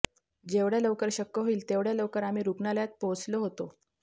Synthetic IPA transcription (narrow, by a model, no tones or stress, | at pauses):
d͡ʑeʋɽjaləwkəɾɕəkːəɦoiːlt̪eʋɽjaloʋkəɾam̤iːɾukɳaljat̪̚pot͡sloɦot̪o